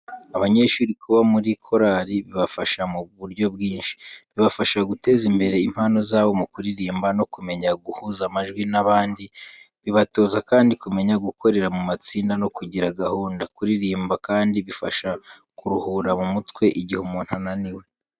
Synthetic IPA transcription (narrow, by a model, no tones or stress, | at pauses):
aβaɲe̞ʃuːɾikuβamuɾikʰo̞ɾaɾiβiβafaʃamuβuɾɟo̞bɡiːnʃi̥βiβafaʃaɡute̞zimbe̞ɾe̞im̥hano̞zaːβo̞mukuɾiɾiːmbano̞kume̞ɲaɡuhuzamaʒɡwinaβaːndi | βiβato̞ːzakaːndikume̞ɲaɡuko̞ɾe̞ɾamumat͡siːndano̞kuɟiɾaɡahuːndakuɾiɾiːmbakaːndiβifa̰ʃa | kuɾuhuɾamumutwe̞ʔiɟihumun̥hananiwe̞